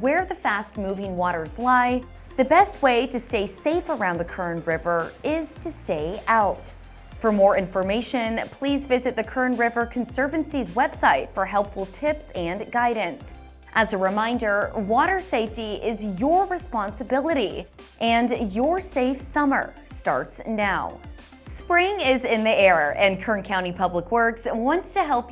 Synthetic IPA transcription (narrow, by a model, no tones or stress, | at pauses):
wə˞ðɨfæst̚muvɪ̃ŋwɔɾə˞zlaɪ | ðɨbɛst̚weɪɾɨsteɪseɪfə˞ãʊ̃nðɨkʰɜ̃˞nɹɪvə˞ɪz̥tʰɨsteɪaʊt | fə˞mɔɹɪ̃ɱfə˞meɪʃɨ̃npʰl̥izvɪzɨt̪̚ðɨkʰɜ˞nɹɪvə˞kʰɨ̃n̩sɜ˞vɨ̃nsizwɛb̥saɪtfə˞ɦɛlˠpfl̩ˠtʰɪpsɨ̃nɡaɪdⁿn̩s | ʔɨzɨɹɨmãɪ̃ndə˞wɔɾə˞seɪftiʔɪzjə˞ɹɨspɑ̃nsɨbɪlˠəɾi | ʔɨ̃njə˞seɪfsʌmə̰˞stɑ̰ɹtsnaʊ | spɹɪ̃ŋɪzɪ̃nðiɛɹəʔɨ̃nkʰɜ̃˞nkʰãʊ̃ipʰʌbləkwɜ˞kswɑ̃ntstʰɨɦɛlˠp